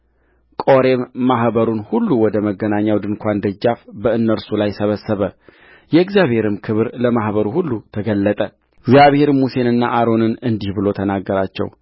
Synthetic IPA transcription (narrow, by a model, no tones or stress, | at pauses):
kʼo̞ɾe̞mːaɦbəɾunhulːuwɔd̪əməɡːənaɲːawd̪ɨnkʷʰand̪əd͡ʒːafbəɨnːəɾsulajsəβəsːəβə | jɛɨɡzjaβhe̞ɾɨmkʰɨβɾləmahβəɾuhulːut̪ʰəɡəlːət̪ʼə | ɪɡzjaβhe̞ɾmuse̞nɨnːaʔaɾo̞nɨnɨnd̪ihbɨlo̞t̪ʰənaɡːəɾat͡ʃːɛ̰w